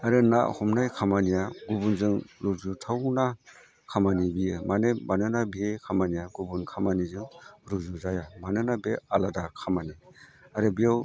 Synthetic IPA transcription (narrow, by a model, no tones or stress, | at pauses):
aɾɯna̰ʔhɔmnajkʰamanijaɡubunzɯŋɾuzutʰawna | kʰamanibiɯmanemanɯnabekʰamanijaɡubunkʰamanizɯŋɾuzuzajamanɯnabealadakʰamaniaɾɯbijaw